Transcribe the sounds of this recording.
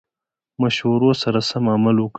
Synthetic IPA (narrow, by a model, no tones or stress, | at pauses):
mɐʃhuɾosɐɾasɐmamɐlwʊk